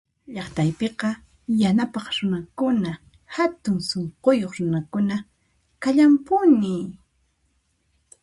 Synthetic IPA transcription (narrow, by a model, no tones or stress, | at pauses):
ʎɑχt̪ajpeqɑ | janapɑχɾʊnakʊna | hat̪ʊŋsoɴqojoχɾʊnakʊna | kaʎampʊnɪ